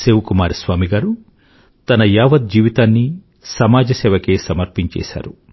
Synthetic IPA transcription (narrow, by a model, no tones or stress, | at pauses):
seːʋukumaːɾisʋaːmiɡaːɾu | t̪ɐnɐjaːʋɐd̪̚d͡ʒiːʋit̪aːnːi | sɐmaːd͡ʒɐsɛːʋɐke̞ːsɐmɐɾpiɲt͡ʃɛ̰ːsa̰ːɾu